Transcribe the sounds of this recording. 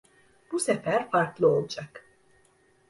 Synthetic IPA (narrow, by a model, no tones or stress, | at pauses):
b̥usefæɾfaɾklˠɯo̞lˠd͡ʒak